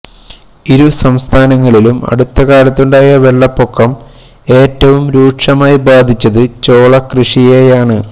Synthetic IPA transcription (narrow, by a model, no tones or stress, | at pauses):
iɾusɐmst̪ʰaːnɐŋːɐɭilumɐ̰ɽut̪ːɐkaːlɐt̪ːuɳɖaːjɐʋe̞ɭːɐpːokːɐm | e̞ːtːɐʋumɾuːʈʂɐmaːjibaːd̪ʱit͡ɕːɐðɨt͡ɕo̞ːɭɐkrɨʂijejaːɳɨ